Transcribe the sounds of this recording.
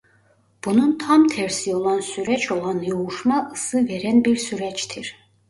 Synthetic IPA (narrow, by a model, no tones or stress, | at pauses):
b̥ununt̪ʰɑmt̪ʰɛɾsio̞lˠɑnsyɾɛt͡ʃʰo̞lˠɑnjoɣuʃmɑʔɯsɯveɾænbiɾsyɾɛt͡ʃt̪ʰiɾ